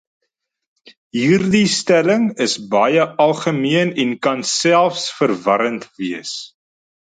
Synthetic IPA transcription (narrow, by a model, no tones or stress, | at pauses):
ɦiːrdistæləŋəsbɐjəʔɐlˠχəmiənɛnkɐnsælˠfsfərvɐɾəntviəs